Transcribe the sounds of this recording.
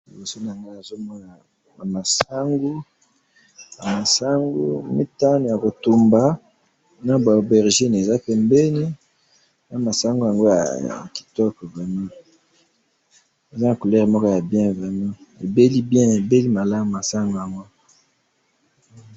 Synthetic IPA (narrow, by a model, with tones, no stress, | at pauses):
li˨bo˨so˦na˨ŋa˦a˨zo˦mɔ˦na˨ | a˨ma˨sa˦ŋɡu˦ | ja˨ma˨sa˦ŋɡṵ˦mḭ˦ta˦n˨ja˨ko˨tu˨mba˨ | na˨ba˨o˨bɛ˨ʁʒi˦n˨e˨za˦pɛ˨mbɛ˦ni˦ | na˨ma˨sa˦ŋɡu˦ja˨ŋɡo˦ja̰˨ki̥˨tɔ˦kɔ˨vʁɛ˨mã˦ | e˨za˦na˨ko˨lɛ˦ʁmɔ˦kɔ˦ja˨bjɛ̃˦vʁɛ˨mã˦e˨be˦li˦bjɛ̃˦e˨be˦li˦ma˨la˦m˨ma˨sa˦ŋɡo˦ja˨ŋɡo˦